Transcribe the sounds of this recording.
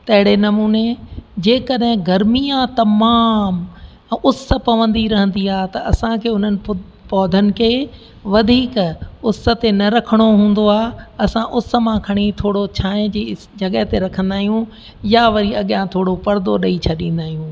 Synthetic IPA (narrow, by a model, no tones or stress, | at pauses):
t̪ɐ̃ɦɪ̃ɽ̃enɐmuːned͡ʑeːkɐɗɦɪ̃ɡɐɾmijãt̪ɐmaːm | ʊsə̆pɐʋə̃nd̪iɾɐɦə̃nd̪iaːɦt̪ɐɐsãkʰeːʊn̤ənɪ̆ | pɔːd̪ʱənɪ̆kʰeː | ʋɐd̪ʱiːkʊsə̆t̪enɐɾɐkʰəɽ̃oɦũːn̆d̪oaːɐsãʔʊsə̆mãkʰɐɽ̃it̪ʰoːɽot͡ɕʰaːẽd͡ʑi | d͡ʑʱɐɠəɦt̪eɾɐkʰə̃nd̪aːɦijũ | jaʋɐɾiɐɠjãt̪ʰoːɽopɐɾd̪oɗɐit͡ɕʰɐɗĩːn̆d̪aːɦijũː